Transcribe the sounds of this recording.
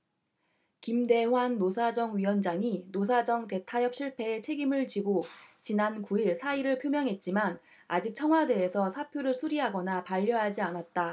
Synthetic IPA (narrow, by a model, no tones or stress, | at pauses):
kimde̞wanːosʰad͡ʑʌŋɥiwʌnd͡ʑaŋinosʰad͡ʑʌŋte̞tʰajʌp̚ɕ͈ʰiɭpʰe̞ːt͡ɕʰe̞ɡimɯɭt͡ɕiɡot͡ɕinankuiɭsʰaiɾɯɭpʰjomjʌŋɦe̞t̚t͡ɕ͈iman | ad͡ʑik̚t͡ɕʰʌŋwade̞ːsʰʌsʰapʰjoɾɯɭsʰuɾiɦaɡʌnapaʎːʌɦad͡ʑianat̚t͈a